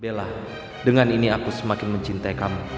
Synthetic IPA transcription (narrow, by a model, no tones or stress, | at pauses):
bela | dəŋaniniakusəmakɪnməɲt͡ʃint̪aikamu